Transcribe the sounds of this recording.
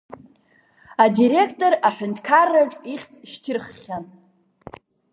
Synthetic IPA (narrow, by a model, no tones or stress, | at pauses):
adiɾe̞kʰtʼo̞raħʷᶣʏntʰkʰarːaʈ͡ʂʼiχʲt͡sʼʃtʰʲɪrχːʲan